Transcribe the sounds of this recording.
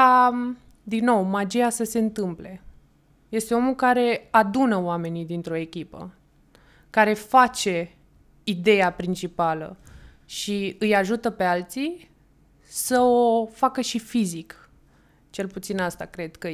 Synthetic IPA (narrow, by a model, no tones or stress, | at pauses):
a | d̪inːo̞wmad͡ʒiasəse̞ɨnt̪ɨmple̞ | je̞st̪e̞o̞mulkaɾe̞ad̪unəoame̞nid̪int̪ɾo̞e̞kʲipə̰ | kaɾe̞fat͡ʃe̞ | id̪e̞japɾint͡ʃipalə̰ | ʃiɨjaʒut̪əpe̞alt̪si | səofakəʃifizik | t͡ʃe̞lput̪sinast̪akɾe̞d̪̥kə